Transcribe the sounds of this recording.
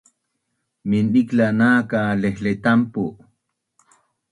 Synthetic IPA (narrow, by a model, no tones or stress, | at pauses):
miniklanaːkalehlet̪ampuʔ